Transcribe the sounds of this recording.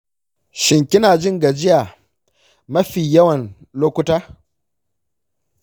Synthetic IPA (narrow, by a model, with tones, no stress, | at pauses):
ʃɪ˨ŋkʲɪ˦naː˨d͡ʒɪ˦ŋɡa˨d͡ʒɪ˦jaː˨ | mɐ˦ɸiː˨jɐ˦wɐ˨n | loː˦kʷʊ˦taː˦